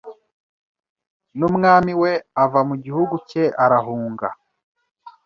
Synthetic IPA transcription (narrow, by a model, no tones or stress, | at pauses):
numŋaːmiwe̞avamuɟihuɡuceʔaɾaɦuːŋɡa̰